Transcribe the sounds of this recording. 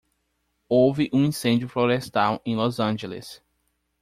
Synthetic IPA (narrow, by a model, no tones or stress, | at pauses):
owvɪʔũĩsẽnd͡ʒjʊfloɾest̪awẽj̃lɔzɐ̃ʒelḛs